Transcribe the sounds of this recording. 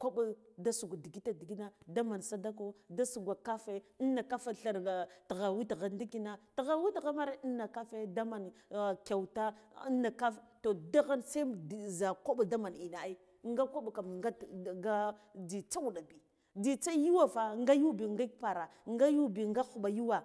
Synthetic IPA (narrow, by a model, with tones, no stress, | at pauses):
ko˦ɓa˦da˦su˨ɡʷa˨di˨ɡi˦ta˦di˨ɡi˦na˦da˦ma˨nsa˨da˦ko˦da˦su˨ɡʷa˨ka˦fe˦nːa˨ka˦fa˦ɬa˨ɾa˨tɣa˨wi˦tɣa˨ndi˦ki˦na˨tɣa˨wi˦tɣa˦ma˦ɾe˦i˦na˨ka˦fe˦da˦ma˨n˨ka˨wta˦nːa˨ka˦fto˨da˦ɣa˦nsa˦˨za˨ko˦ɓa˨da˦ma˨ni˨na˨˦i˦ | ŋɡa˦ko˦ɓka˨mŋɡa˦˨ɡa˦d͡zi˨t͡sa˦wu˨ɗa˨bi˨ | d͡zi˨t͡sa˦ju˦wa˦fa˨ŋ˦ɡa˦ju˦bi˨ŋɡa˦k̚pa˨ɾa˨ŋɡa˦ju˦bi˨ŋɡa˦xu˨ɓa˨ju˦wa˨